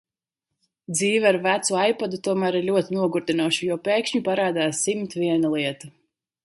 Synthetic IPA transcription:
d̪ziːvaɾvæt̪suajpad̪ut̪uɔmæːɾiɾlʲuɔt̪inuɔɡuɾd̪inuɔʃujɔpeːkʃɲupaɾaːd̪aːsːimt̪vʲiɛnulˠiɛt̪u

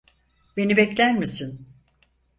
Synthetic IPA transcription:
be̞nibɛclʲæɾmisin

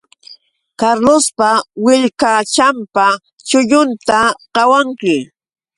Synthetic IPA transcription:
kaɾlospawɪʎkat͡ʃampa | t͡ʃʊʎʊnt̪aɢ̥ɑwaŋkɪ

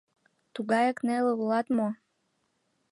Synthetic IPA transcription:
t̪uɣɑjəkneleulɑt̪mo

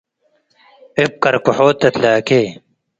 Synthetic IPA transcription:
ep̚kɐɾkuħoːt̪ːɐt̪laːkeː

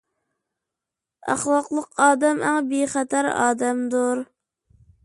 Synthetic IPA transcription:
æ̰χlˠɑqlˠəqɑːd̪ɛmæŋbiχɛt̪ʰæɾɑ̰ːd̪ɛmd̪uɾ

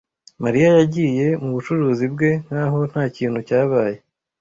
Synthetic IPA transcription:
maɾijajaɟiːje̞muβut͡ʃuɾuːzibɡe̞n̥haːɦo̞n̥haːciːn̥hucaːβaːje̞

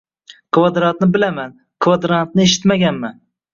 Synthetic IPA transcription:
qʰvɒd̪ɾant̪nɪbɪlaman | qʰvad̪ɾant̪nɪeʃ̬ɪ̥t̪maɡʲanman

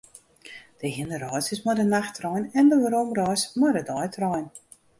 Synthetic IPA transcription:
d̥əhinəɾɔjsəsmadənaxtrɔjnɛndəʋaɾomrɔjsmadədɔjtʰrɔjn

